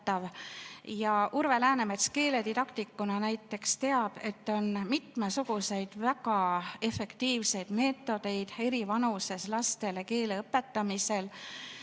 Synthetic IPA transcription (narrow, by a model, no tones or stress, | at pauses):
t̪ːɑvjɑʔuɾve̞læːnemet̪ske̞ːle̞d̪id̪ɑkt̪ikːunɑnæjt̪ːˑe̞kst̪e̞ɑb̥e̞t̪ːˑo̞nmit̪mesuɡ̥use̞jd̪̥væɡɑe̞fe̞kt̪iːvse̞jd̪̥me̞ːt̪ːˑo̞d̪̥e̞jd̪̥e̞ɾivɑnuse̞slɑst̪eleke̞ːleɤpːe̞t̪ːɑmise̞l